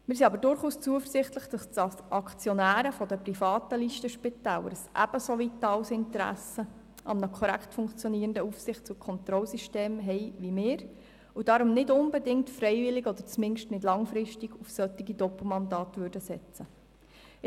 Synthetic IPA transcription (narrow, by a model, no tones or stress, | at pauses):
mɪːɾs̬iɑbəɾdʊɾχuːst͡suəfəɾsɪχt̪ləχd̥ɑstsɑsʔɑkt͡sjɔnæːɾəfɔd̪əpɾifɑːtəliʃtəʃpɪt̪æːlə̰ɾsʔæ̰b̥əsovitɑwsɪntəɾæ̰sə | ʔɑ̰mnəkʰɔɾæ̰ktfʊŋkt͡sjɔniːɾəndəufsɪχt̚t͡sukʰɔnt̪ɾɔlsiʃteːmɦɛɪʋimɪːɾ | ud̥ɑːɾʊmnɪdʊnbɛdɪŋtfɾɛɪvɪlɪɡɔd̪əɾt͡smɪnʃtnɪdlɑŋfɾɪʃtiɡufsœtːiɡidɔpl̩mɑndɑːtʋʉɾdəsɛt͡sə